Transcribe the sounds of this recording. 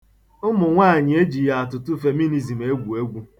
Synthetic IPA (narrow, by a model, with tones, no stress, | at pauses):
ʊ˦mʊ˨ŋʷaː˦˨ɲɪ˨e˦d͡ʒi˨ja˨a˨tʊ˨tʊ˦fe˨mi˦ni˦zi˨m̩˨e˦ɡʷu˨e˦ɡʷu˦